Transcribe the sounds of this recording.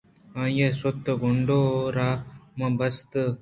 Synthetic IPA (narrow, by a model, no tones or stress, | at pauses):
aːjeswɐt̪ːɐɡoɳɖoːɾaːmɐbɐst̪ɨ